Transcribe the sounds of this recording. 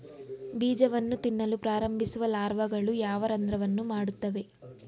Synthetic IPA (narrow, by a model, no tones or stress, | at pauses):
biːd͡ʒɐʋɐnːut̪inːɐlupɾaːɾɐmbʱisuʋɐlaːɾʋɐɡɐɭujaːʋɐɾɐnd̪ɾɐʋɐnːumaːɽut̪ːɐʋe̞